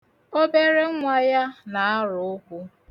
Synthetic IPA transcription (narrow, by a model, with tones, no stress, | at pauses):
o˦be˦ɾe˦ŋʷa˦ja˦na˨a˦ɾʊ˨ʊ˦kʷu˦